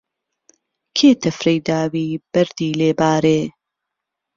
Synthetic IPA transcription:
kʰeːt̪ʰɐfɾɐjd̪aːwiːb̥ɐɾd̪iːleːbaːɾeː

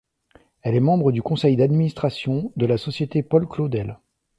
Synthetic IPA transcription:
ɛlɛmɑ̃bʁəd̪ykɔ̃sɛjd̪ad̪minist̪χasjɔ̃d̪əlasɔsjet̪epɔlklod̪ɛl

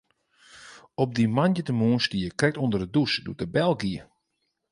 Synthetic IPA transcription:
ɔp̚dimanjətəmuənstijəkrɛk̚tondərədusdṵətəbɛlˠɡiə

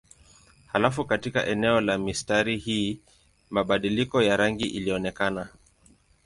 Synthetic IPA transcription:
halafukatika̰ʔɛnɛɔlamistaɾihiː | maɓaɗilikɔjaɾaŋɡiʔiliɔnɛkana

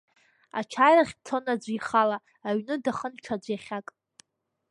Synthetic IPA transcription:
a̰t͡ʃʰaːjraχʲtʰonad͡zʷiχalaː | ɥnɨdaχənʈ͡ʂʰad͡ʒʷjaχʲakʼ

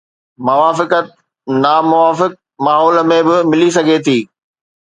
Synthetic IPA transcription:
mɐʋaːfɪkət̪̚ | namʊʋaːfɪk̚ | maːɦɔːlmẽbɪmɪlis̬ɐɡʱet̪ʰiː

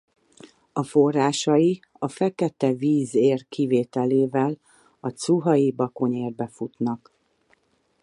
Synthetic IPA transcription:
ɒfo̞rːaːʃɒji | ɒfɛkɛt̪ɛviːzeːrkʰiveːt̪ɛleːvɛl | ɒt̪suɦɒjibɒko̞ɲeːrbɛfut̪nɒk

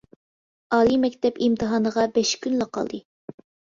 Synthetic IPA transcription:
ɑːlˠimɛkʲt̪ɛpimt̪ʰɨɦɑːnəʁɑbɛʃkʲʰynləqʰɑ̰lˠd̪ɨ

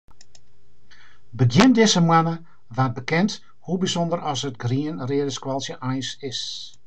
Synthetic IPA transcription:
bədjɪndɪsəmwanə | ʋat̚bəkɪnt | hubizondərɔsətɡriənreədəskwɔlˠsjəʔajsɪs

